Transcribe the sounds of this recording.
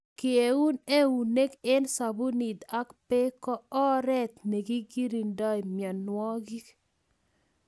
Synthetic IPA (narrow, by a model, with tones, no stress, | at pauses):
kɪ˨e˨u˦ne˦u˨ne˦ke˦nsa˨bu˦ni˨d̪a˦kpe˦kɔ˦ɔ˦ɾɛ˦t̪ne˨ɡi˦ɡi˦ɾi˨nda˦jmjɔ˨nnwɔ˦ɡi˦